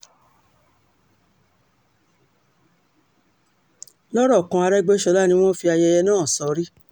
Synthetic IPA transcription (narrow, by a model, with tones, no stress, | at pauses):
lɔ˦ɾɔ˦˨kã˧a˧ɾɛ˦ɡ͡be˦ʃɔ˧˦la˦˨nĩ˧w̃ɔ̃˦fi˧a˧jɛ˧jɛ˧nãː˦˨sɔ˧˦ɾi˦